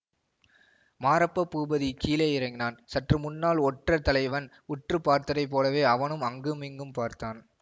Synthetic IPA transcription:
maːɾɐpːɐpːuːbɐðikiːleːɪɾɐŋɡɪnaːnsɐʈrɯmʊnːaːlɔʈrɐt̪ːɐlɐɪʋɐn | ʊʈrɯpaːɾt̪ɐɾɐɪp̬ːoːlɐʋeːɐʋɐnɯmɐŋɡɯmɪŋɡɯmpaːɾt̪aːn

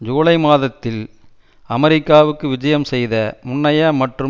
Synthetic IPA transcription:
d͡ʒoːlɐɪmaːðɐt̪ːɪl | ɐmɐɾɪkːaːʋɯkːɯʋɪd͡ʒɐjɐmsɛjðɐmʊɳːɐjɐmɐʈrɯ

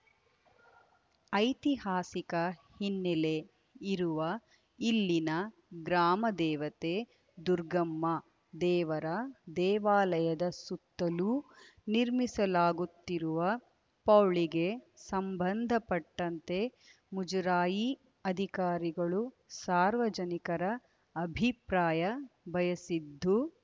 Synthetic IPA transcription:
ɐjt̪ihaːsikɐhinːɛle | iɾuʋɐ | ilːinɐ | ɡɾaːmɐd̪ɛːʋɐt̪e | d̪uɾɡɐmːɐ | d̪ɛːʋɐɾɐd̪ɛːʋaːlɐjɐd̪ɐsut̪ːɐluniɾmisɐlaːɡut̪ːiɾuʋɐ | pɐwɭiɡe̞sɐmbɐnd̪ʱɐpɐʈːɐnt̪e̞ | mud͡ʒɐɾaːji | ɐd̪ʱikaːɾiɡɐɭu | saːɾʋɐd͡ʒɐnikɐɾɐː | bʱipɾaːjɐbʱɐjɐsid̪ʱːu

